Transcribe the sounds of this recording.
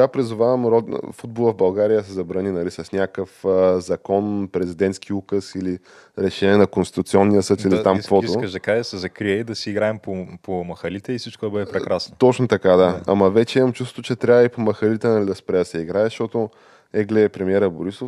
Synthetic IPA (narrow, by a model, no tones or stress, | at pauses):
apɾizuvavɐmɾɔd̪̰fud̪̚bolˠəvbɐlˠɡaɾijəsɛzɐbɾɐninɐlisɐsnʲakəfəzɐkɔnpɾɛzid̪ɛnt̪sk̟iukəsili | ɾɛʃɛnʲiɛnɐkonst̪ʲit̪ʊt̪siɔnːijəsɤt̪iliamskvɔt̪iʊəʒd̪ɐkasɛzɐkɾiɛid̪ɐsiiɡɾaɛmpopomɐxɐlit̪ɛisit͡ʃkʊd̪ɐbəd̪ɛpɾɛkɾasnot̪ɔt͡ʃnot̪ɐkad̪aa̰mɐvɛt͡ʃɛimɐmt͡ʃust̪o̥t̪ʊt͡ʃɛt̪ɾʲavəipomɐxɐlit̪ɛnɐlid̪ɐspɾɛsɛiɡɾaɛʃt̪ɔt̪o | ɛɡlɛɛpɾɛmiɛɾəboɾisof